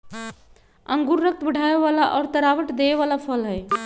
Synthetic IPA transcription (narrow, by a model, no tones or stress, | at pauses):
əŋɡuɾːək̚t̪bəɽʱaeʋalaʔɔɾt̪əɾabəʈd̪eeʋalapʰəlɦəj